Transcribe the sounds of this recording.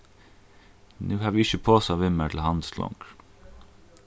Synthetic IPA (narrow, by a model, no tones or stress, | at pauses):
nʉːhɑːʋiːɪçəpʰoːsɑːʋɪməʈʰl̩hɑnd̪slɔ̰ŋɡ̥